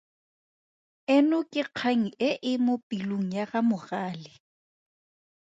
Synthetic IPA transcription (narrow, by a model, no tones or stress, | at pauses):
ɪnʊkʼɪq͡χʰaŋ̩ɪʔɪmʊpʼiloŋ̩jaɣamʊɣaːlɪ